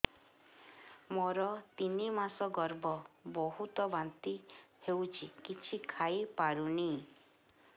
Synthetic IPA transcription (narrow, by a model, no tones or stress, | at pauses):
mɔɾɔt̪inimasɔɡɔɾbɔbɔɦut̪ɔbant̪ihewt͡ʃʰikit͡ʃʰikʰajipaɾuni